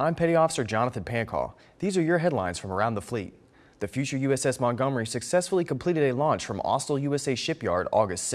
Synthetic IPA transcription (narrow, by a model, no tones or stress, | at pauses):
ãɪ̃mpʰɛɾiɔfə̥sə˞d͡ʒɑnəθɨ̃n̩pʰæ̃nkʰɔ̰ | ðizə˞jə˞ɦɛdˡlãɪ̃nz̥fɹʌ̃mə˞ãʊ̃nðəflḭt̪̚ | ðɨfjʉt͡ʃə˞jʉɛsɛsmɑ̃nɡʌ̃mə˞isɨksɛsfl̩ˠikʰə̃m̩pʰl̥iɾɨɾɨlɔ̃nt͡ʃfɹʌ̃mɔ̰stl̩ˠjʉɛseɪʃɪpjɑ̰ɹɾɔɡɨstsɪ